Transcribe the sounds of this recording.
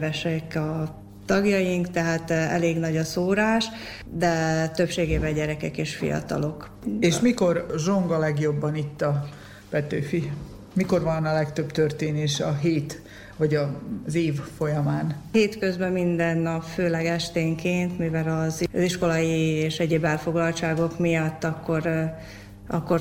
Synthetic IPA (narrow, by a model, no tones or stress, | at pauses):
vɛʃɛkɒ | t̪ɒɡjɒjiŋkt̪ɛɦaːt̪ɛ̰leːɡnɒɟɒsoːɾaːʃ | d̪ɛt̪ø̞pʃeːɡeːbɛɟɛɾɛkɛkeːʃfḭjɒ̰t̪ɒ̰lo̞k | eːʃmiko̞rʒoŋɡɒlɛɡjo̞bːɒnit̪ːɒ | pɛt̪øːfi | miko̞rvɒnɒlɛkt̪ø̞bt̪ørt̪eːneːʃɒɦeːt̪ | vɒɟɒzeːvfo̞jɒmaːnheːt̪kø̞zbɛmind̪ɛnːɒpføːlɛɡɛʃt̪eːŋkeːnt̪mivɛlɒzziʃko̞lɒjieːʃɛɟeːbɛlfo̞ɡlɒlt͡ʃaːɡo̞kmijɒt̪ːɒkːo̞ɾ | ʔɒkːo̞r